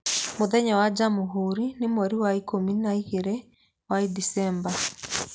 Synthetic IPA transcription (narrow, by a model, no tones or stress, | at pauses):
moðɛɲawad͡ʒamuɦuɾinemɔɾiwaikominaiɣeɾe | waidisɛmba